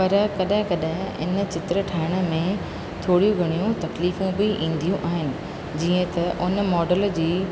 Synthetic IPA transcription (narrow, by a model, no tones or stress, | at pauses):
pɐɾkɐɗɦɪ̃kɐɗɦɪ̃ɪ̰nə̆t͡ɕɪt̪ɾə̆ʈʰaːɪɽ̃ə̆mẽ | t̪ʰoːɽijũɡʱɐɽ̃ijũt̪ɐkliːfũbɪʔĩːn̆d̪ijũʔaːɦɪnɪ̆ | d͡ʑiːə̃t̪ɐʔʊnə̆mɔːɖəld͡ʑiː